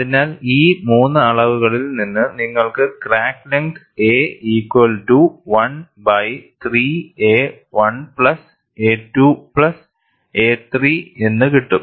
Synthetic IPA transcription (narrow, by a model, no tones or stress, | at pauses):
ɐðinaːliːmuːnːɨɐɭɐʋuɣɐɭilninːɨniŋːɐɭkɨkraːkːleŋk | e̞ːiːkːwɐlʈuʋɐn | bɐjt̪riːeː | ʋɐnpɭɐs | eːʈːupɭɐs | e̞ːt̪riːe̞nːɨkiʈːu